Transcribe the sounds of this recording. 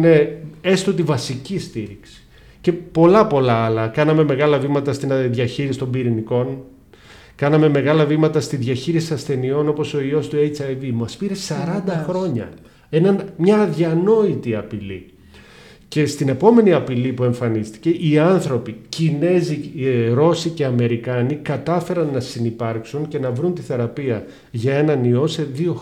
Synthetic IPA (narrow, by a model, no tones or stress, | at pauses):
nee̞st̪ot̪̬ivɐsicist̪iɾiksi̥ | ce̞po̞lɐpo̞lɐɐlɐkɐnɐme̞me̞ɣɐlɐvimɐt̪ɐst̪inðʝɐçiɾisi̥t̪o̞mbiɾiniko̞n | kɐnɐme̞me̞ɣɐlɐvimɐt̪ɐst̪iðʝɐçiɾisiɐsθe̞nio̞no̞po̞so̞io̞st̪ue̞jt͡sɐjvimɐspiɾesɐɾɐnd̪ɐxɾo̞ɲɐ̰ | enɐnmɲɐːðʝɐno̞it̪iɐpilḭ | ce̞st̪ine̞po̞me̞niɐpilipue̞ɱfɐnist̪i̥ce̞ʔiɐnθɾo̞picine̞ziɾo̞sice̞ɐme̞ɾikɐnikɐt̪ɐfe̞ɾɐnːɐsinipɐɾksunce̞nɐvɾunt̪iθe̞ɾɐpiɐ | ʝɐe̞nɐnio̞se̞ðio̞